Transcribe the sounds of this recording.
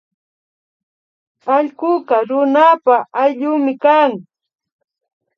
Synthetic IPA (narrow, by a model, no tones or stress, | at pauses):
aʎkʊɢɑɾʊnapaʔajʎʊːmɪkaːŋ